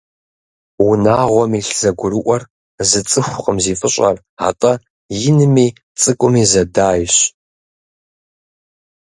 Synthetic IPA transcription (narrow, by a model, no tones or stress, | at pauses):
wʊnaːʁʷɔmiːɬz̥ɐɡʷʊɾɨʔʷʼɔr | zɨt͡sʼɨxʷʊqʼəmziːfʼɨɕʼɐ̰r | a̰tʼɐ | jɪnɨmiː | t͡sʼɨkʷʼʊmiːzɐdaːjɕ